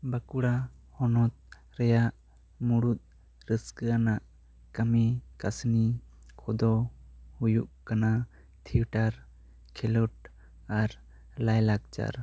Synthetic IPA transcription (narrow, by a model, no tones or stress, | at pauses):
bakuɽa | hɔnɔt̪̚ | ɾɛjaʔ | muɽut̪̚ | ɾəskəanaʔ | kamɛkasni | kʰɔd̪ɔhujuʔkana | t̪ʰiuʈaɾ | kʰɛlɔʈ̚ | aɾ | lajlak̚t͡ʃa̰ɾ